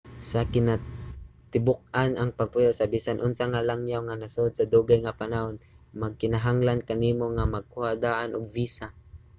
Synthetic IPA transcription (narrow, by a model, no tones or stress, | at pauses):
sakɪnat̪ɪbʊk̚anaŋpaɡ̚pʊjowsabiːsanʔʊnsaŋalaŋjawŋanasod̪̚sad̪uɡajŋapanaon | maɡ̚kɪnaɦaŋlankaniːmoŋamaɡ̚kʊhad̪aːʔanʔʊɡ̚viːsa